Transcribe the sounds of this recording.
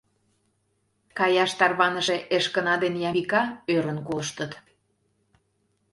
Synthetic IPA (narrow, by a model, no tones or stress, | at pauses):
kɑjɑʃt̪ɑrβɑnəʃeʔeʃkənɑd̪enjɑmikɑøɾənkoʃt̪ət̪